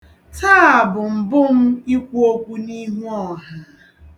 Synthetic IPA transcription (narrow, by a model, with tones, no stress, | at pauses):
taː˦˨a˨bʊ˨m̩˨bʊ˦m̩˦i˦kʷu˦o˦kʷu˦ni˦ɦu˦ɔ˨ɦa˦